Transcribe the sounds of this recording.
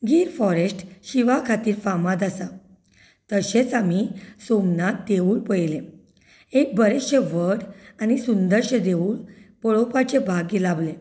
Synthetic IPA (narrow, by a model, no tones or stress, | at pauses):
ɡʱiːɾfɔɾesʈɕiʋakʰat̪iːɾfamad̪asa | t̪əɕet͡samisomnat̪̚d̪euːɭpəjlẽ | ek̚bəɾeɕeʋəɽañisund̪əɾɕəd̪euːɭpɔɭopat͡ɕebʱaɡilable